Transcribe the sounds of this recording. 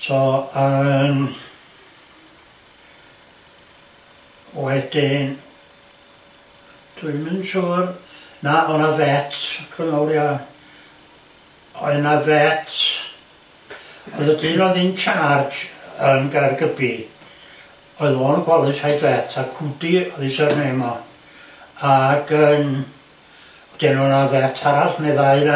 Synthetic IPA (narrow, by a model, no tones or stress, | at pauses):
sɔən | wɛdɪn | d̥uɨmɨnʃuːrnaɔnavɛtʰkʰənɔlˠja | ɔ̰ɨnavɛtʰ | ɔɨðədɪnɔðint͡ʃʰard͡ʒənɡarɡəbi | ɔɨðoːnɡwɛlˠɨtajvɛtʰakʰudiɔðisɛrnemɔ | aɡən | d̥enɔnavɛtʰaɾaɬnɛðaɨɾa